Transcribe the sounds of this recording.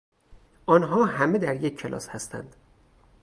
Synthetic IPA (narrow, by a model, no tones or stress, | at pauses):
ʔɒːnɦɒːɦæme̞d̪æɾjecʰːelʔɒ̰ːshæst̪ʰæ̰nd̪̥